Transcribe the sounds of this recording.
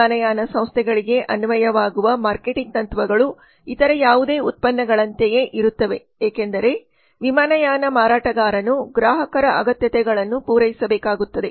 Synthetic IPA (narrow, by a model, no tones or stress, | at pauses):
aːnɐjaːnɐsɐ̃mst̪ʰɛɡɐɭiɡe̞ʔɐnuʋɐjɐʋaːɡuʋɐmaːɾkeʈiŋɡ̚t̪ɐnt̪ʋɐɡɐɭu | it̪ɐɾɐjaːʋud̪e̞ːut̪̚pɐnːɐɡɐɭɐnt̪eje̞ʔiɾut̪ːɐʋe̞ | eːkend̪ɐɾe̞ | ʋimaːnɐjaːnɐmaːɾaːʈɐɡaːɾɐnuɡɾaːɦɐkɐɾɐʔɐɡɐt̪jɐt̪ɛɡɐɭɐnːupuːɾɐjisɐbɛːkaːɡut̪ːɐd̪e̞